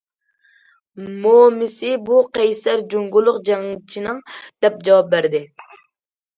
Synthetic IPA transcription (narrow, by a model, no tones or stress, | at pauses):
momɪsɪbuqʰɛjsæɾd͡ʒoŋɡulˠːʊqd͡ʒɛŋt͡ʃʰinɨŋd̪̥ɛp̚d͡ʒɑwɑp̚bæɾd̪ɪ